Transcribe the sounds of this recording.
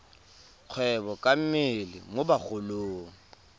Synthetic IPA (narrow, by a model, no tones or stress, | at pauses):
q͡χʰwɛbɔkʼam̩mɪlɪ̰mobaχʊloːŋ̩